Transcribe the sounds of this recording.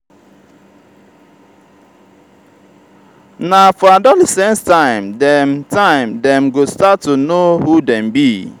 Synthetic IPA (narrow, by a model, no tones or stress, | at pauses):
nafɔadɔlɛsɛ̃nstãɪ̃mdɛmtãɪ̃mdɛmɡostatːunohudɛ̃mbi